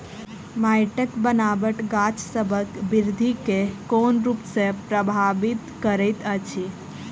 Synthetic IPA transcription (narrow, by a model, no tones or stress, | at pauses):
majʈəkbənabəʈɡat͡ʃsəbʱəkbiɾd̪ʱikekonɾupsẽpɾəbʱabit̪kəɾəjt̪ət͡ʃʰi